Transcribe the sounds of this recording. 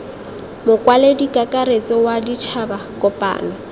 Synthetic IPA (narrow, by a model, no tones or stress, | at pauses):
mʊkʼwaledikʼakʼaɾet͡sɪwadit͡ʃʰabakʼɔpʼa̰ːna